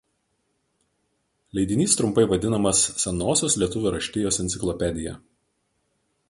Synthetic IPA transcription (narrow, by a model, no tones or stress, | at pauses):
lʲɛɪd̪ʲɪnʲiːst̪ɾʊmpɐɪʋɐd̪ʲɪnɐmɐsːʲɛnoːsʲoːslʲiɛt̪ʊʋʲʊɾɐʃʲt̪ʲɪjoːsɛnt̪sʲɪklˠɔpʲɛd̪ʲɪjɛ̰